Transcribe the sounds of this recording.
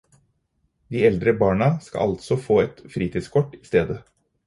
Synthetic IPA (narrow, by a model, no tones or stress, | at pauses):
d̪iːɛld̪ɾəbɑːɳɑskɑ̰ɑlt̪sɔfoːɛt̪fɾiːt̪ʰɪːd̪skʰɔʈːiːst̪eːd̪ə